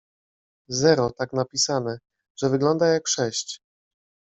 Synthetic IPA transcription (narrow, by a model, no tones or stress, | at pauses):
zɛɾɔt̪aknapʲisanɛ | ʐ̥ɛvɘɡlɔnd̪ajakʂɛɕt͡ɕ